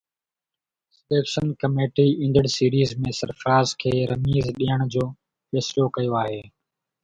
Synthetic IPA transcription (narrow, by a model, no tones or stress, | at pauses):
sɪɗeːkʃənkəmeːʈiːɪ̃ːnd̪əɽsiːɾiːzmẽːsɐɾfɾaːzkʰeːɾɐmiːzɗiːəɽ̃d͡ʑoː | feːslokɐjoaːɦeː